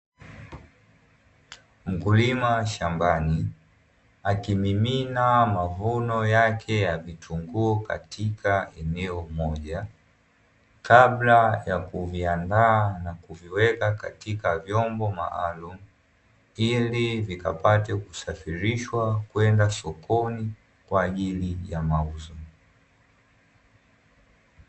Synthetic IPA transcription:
m̩kulimaʃambani | akimiminamavunɔjakʰɛjavitʰuŋɡuɔka̰tʰikʰaɛnɛɔmɔʄa | kablajakuviandaːnakuviwɛkaka̰tikavjɔmbɔma̰a̰lumu | ilivika̰patɛku̥safiɾiʃwakuɛndasɔkʰɔni | kwaːʄilijamauzɔ

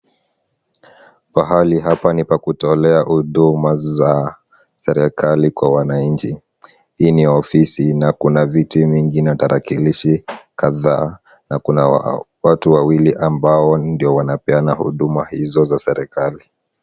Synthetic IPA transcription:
paɦaliɦapanipakutɔlɛahuɗumaza | sɛɾɛkʰalikwawanaɲt͡ʃi | hiːniɔfisinakunavitiviŋɡinataɾʔakiliʃikaðaː | nakuna | watuwawiliʔambaɔndiɔwanapɛanahṵɗumahizɔzasɛɾɛkali

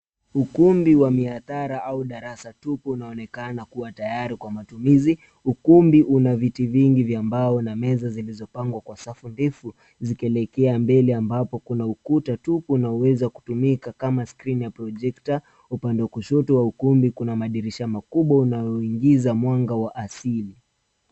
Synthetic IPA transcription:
ukumbiwamiaθaɾaʔauɗaɾasatupuunaɔnɛkanakuwatajaɾikwamatumizi | ukumbiʔunavitiviŋɡivjambaɔnamɛzazilizɔpaŋɡwakwasafundifu | zikɛlɛkɛambɛlɛambapɔkunaukutatupuːnaɔwɛzaku̥tumikakamaskɾinjapɾɔd͡ʒɛkta | upandɛwakuʃɔtɔwaukumbikunamaɗiɾiʃamakuɓwaunajɔiŋɡizamwaŋɡawaʔasili

